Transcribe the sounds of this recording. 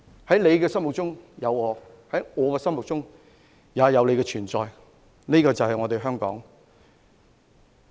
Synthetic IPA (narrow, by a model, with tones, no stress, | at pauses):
hɐ˨˥jle˨˧jkɛː˧sɐ˥mwʊ˨k̚t͡ʃʊ˥ŋjɐ˨˧wɔː˨˧ | hɐ˨˥jŋɔː˨˧kɛː˧sɐ˥mʊ˨k̚t͡sʊ˥ŋ | jaː˨˧jɐ˨˧wle˨˧jkɛ˧t͡ʃʰyː˨˩nt͡sɔː˨j | niː˥kɔː˧t͡sɐ˨whɐ˨jŋɔː˨˧t̪e˨jɦœː˥ŋkɔ̰ː˨˥ŋ